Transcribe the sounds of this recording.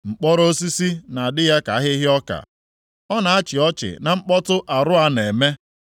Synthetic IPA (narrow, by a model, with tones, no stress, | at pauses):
ŋ͡m̩˨k͡pɔ˦ɾo˦si˦si˦na˨a˨dɪ˦ja˦ka˨a˦ɦɪ˦ɦɪ˦ɔ˦ka̰˨ | ɔ˦na˨a˦t͡ʃɪ˨ɔ˦t͡ʃɪ̰˨na˨ŋ͡m̩˦k͡pɔ˦tʊ˦ʔa˨ɾʊ˦a˦ne˨me˦